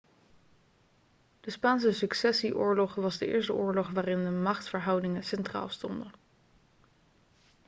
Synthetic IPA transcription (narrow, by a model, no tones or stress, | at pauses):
d̥əspaːns̬əsɵksɛsiʔʊːɹlɔχʋɑzdəʔɪ̰ːɹstəʔʊːɹlɔχʋaːrɪndəmɑχtfəɹɦɑwdɪŋənsɛntra̰ːlˠstɔndən